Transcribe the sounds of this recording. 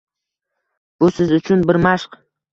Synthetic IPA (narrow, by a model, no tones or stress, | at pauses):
b̥ʊsɪzʊt͡ʃʰʊnbɪɾmaʃq